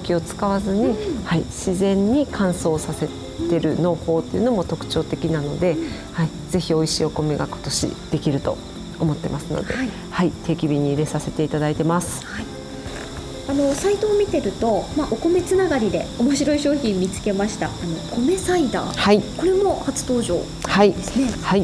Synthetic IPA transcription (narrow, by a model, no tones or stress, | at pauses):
kʲio̞t͡sɨ̥kaβazɨɲ̟ihaiɕizẽ̞ɲ̟ːikʰãɰ̃so̞ːsase̞ | t̪e̞ɾɯ̟no̞ːho̞ːt̪ːeiɯ̟no̞mo̞t̪o̞kɯ̟̥t͡ɕo̞ːt̪e̞kʲinano̞d̪e̞ | hai | ze̞çio̞iɕḭːo̞ko̞me̞ɡako̥t̪o̞ɕḭd̪̥e̞kʲiɾɯ̟t̪o̞̰ | omo̞t̪ːe̞̰masɨno̞̰d̪e̞̰i | hait̪ʰe̞ːkʲibʲiɲ̟iːɾe̞sase̞t̪e̞it̪ad̪ait̪e̞masɨ̥hai | ano̞sait̪oːmʲit̪e̞ɾɯ̟t̪o̞maʔoko̞me̞t͡sɨnaɡaɾʲid̪e̞omo̞ɕiɾo̞iɕo̞ːçĩmmːʲit͡sɨ̥ke̞maɕi̥t̪aːno̞ko̞me̞said̪a̰ːhaiko̞ɾe̞mo̞hat͡sɨ̥t̪o̞ːʑo̞̰ː | haihai